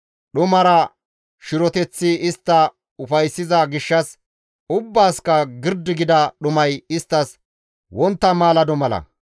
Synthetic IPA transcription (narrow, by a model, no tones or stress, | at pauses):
ɗʊmɐɾɐ | ʃɪɾɔt̪ɛt͡sːɪɪst̪ːɐ | ʊfɐjsːɪzɐɡɪʃːɐs | ʊbːaːskɐɡɪɾd̪ːɪɡɪd̪ɐɗʊmɐjɪst̪ːɐs | wɔnt̪ːɐmaːlɐd̪ɔmɐlɐ̰